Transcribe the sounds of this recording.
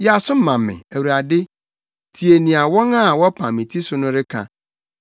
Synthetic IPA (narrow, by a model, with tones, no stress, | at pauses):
jɛ˨a˨sʊ˦m̩˦mã˨mː˨ɪ̰̃˨æ˨wu˨ɾa˨dɪ˦ | tʰi˨e˨nĩ˨a˨wɔ̃˦ŋa˦˨wɔ˦pʰã˨mĩ˨tʰi˦sʊ˦nʊ̃˦ɾɪ˦kʰã̰˨